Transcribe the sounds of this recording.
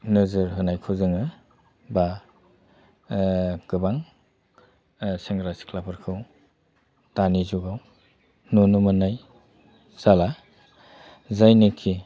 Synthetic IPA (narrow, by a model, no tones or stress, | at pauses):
nɯzɯɾɦɯnajkʰɯzɯŋɯ | ba | kɯbaŋ | seŋɡɾasi̥kʰlapʰɯɾkʰɯw | tanizuɡaw | nunumanaj | sala | zajnikʰi